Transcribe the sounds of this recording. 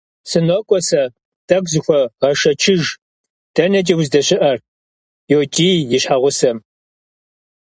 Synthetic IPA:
sɨnokʷʼɔsɐ | tʰʼɐkʷzɨxʷɔʁɐʃɐt͡ʃʰɪʒ | d̥ɐnɐt͡ʃʼiwzdɐɕɪʔɐr | joːt͡ʃʼiːjɪɕħaʁʷʊsɐm

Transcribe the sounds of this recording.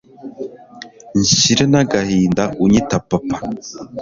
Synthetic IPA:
ɲʃiɾenaɡahiːndaʔuɲitapapḁ

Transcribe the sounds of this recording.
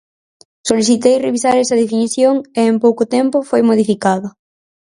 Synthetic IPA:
soliθit̪ejreβisaɾɛsɐð̞efiniθjoŋeːmpowkʊt̪ɛmpʊfojmoðifikaðɐ

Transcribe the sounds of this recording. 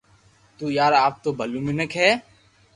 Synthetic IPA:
t̪uːjaːɾaːp̚t̪oːbʱəluːmɪnəkɦɛː

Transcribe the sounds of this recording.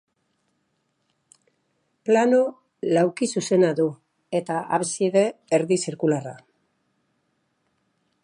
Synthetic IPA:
plano̞ | lawkisuse̞naðu | e̞t̪aʔa̰βesieðe̞ːɾðisiɾkulara

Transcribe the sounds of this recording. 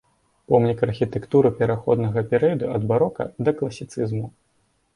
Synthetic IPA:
pɔmnʲikɐrxʲit̪ɛkt̪uɾɨpʲɛɾaxɔd̪nɐɣɐpʲɛɾɛjɐd̪uɐd̪baɾɔkɐ̰d̪ɐklˠɐsʲit̪sɨzmu

